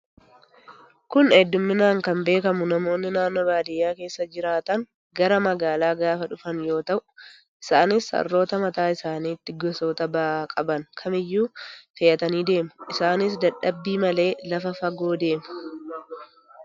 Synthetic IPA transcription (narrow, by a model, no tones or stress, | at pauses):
kʊnɛd̪ːʊmːɪnaːŋkɐmbe̞ːkɐmʊnɐmo̞ːnːɪnaːnːoːbaːd̪ɪjːaːke̞ːsːɐd͡ʒɪɾaːt̪ɐŋ | ɡɐɾɐmɐɡaːlaːɡaːfɐᶑʊfɐnjo̞ːt̪ɐʔʊ | ʔɪsaːnɪsɐ̰rːo̞ːt̪ɐmɐt̪aːɪsaːniːt̪ːɪɡɔso̞ːt̪ɐbaːkʼɐbɐnkʰɐmɪjːuːfɐjɐt̪ɐniːd̪e̞ːmʊ̥ʔɪsaːnɪs̬d̪ɐᶑɐbːiːmɐle̞ːlɐfɐfɐɡo̞ːd̪e̞ːmʊ̥